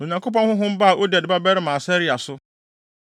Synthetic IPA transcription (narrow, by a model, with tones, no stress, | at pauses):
o˨ɲã˨ŋkʰo˦p̬ɔ̃˦nhʊ̃˦ɦʊ̃˦m̩˦ba˦a˨ʔo˦dɛ˨dɪ˨ba˦bɛ˦ɾɪ˦mã˨sɛ˦ɾi˦a˨sʊ˦